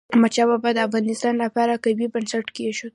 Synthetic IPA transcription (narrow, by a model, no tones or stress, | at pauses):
mat͡ʃababad̪əafɣɑnɪst̪ɑnlapɑɾakajbibənsaʈkeʃod̪̚